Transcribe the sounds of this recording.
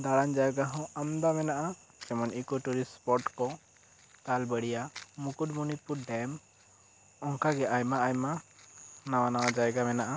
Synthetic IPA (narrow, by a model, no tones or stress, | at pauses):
d̪aɽaɲd͡ʒajɡaɦɔ̃amd̪amɛnaʔa | t͡ʃɛmɔnikɔʈuɾispɔʈkɔ | t̪albəɽijamukudmunipuɖɛm | ɔŋkaɡɛʔajmaajma | nawanawad͡ʒajɡamɛnaʔa